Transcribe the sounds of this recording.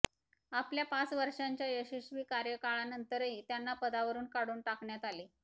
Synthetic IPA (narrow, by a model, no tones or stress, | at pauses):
apljapat͡sʋəɾʂaɲt͡ɕjajəɕiɕʋiːkaɾjəkaɭanənt̪əɾɦiːt̪janːapəd̪aʋəɾuːnkaɽuːnʈakɳjat̪aliː